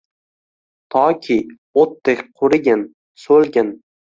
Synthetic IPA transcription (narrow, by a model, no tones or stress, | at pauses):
t̪ʰɒkʲʰi | ot̪ːekʲqʰʊɾɪɡʲɪn | sɵlɡʲɪn